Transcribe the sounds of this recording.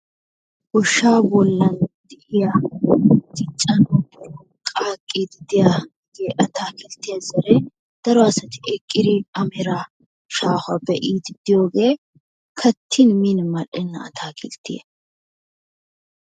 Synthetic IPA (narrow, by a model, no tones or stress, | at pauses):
wɔʃːaːbɔlːɐnd̪ɪʔɪja | ɡ̥ɪt͡ʃʼːɐnɔbɔɾ | kʼaːkʼːid̪ɪd̪ɪjaɡɪd̪jeʔɐt̪ʰaːkɪlt̪ːɪjɐzɐɾɛ | d̪̥ɐɾɔɐsɐt̪ɪʔɛkʼːɪd̪ɪɐmɛɾa | ʃaːhʊɐbɛʔiːd̪ɪd̪̥ɪjo̞ːɡeː | kʰɐt̪ʰːɪnminmɐʔɛnːɐɐ̰t̪ʰaːkɪlt̪ːɪ̰jɛ̰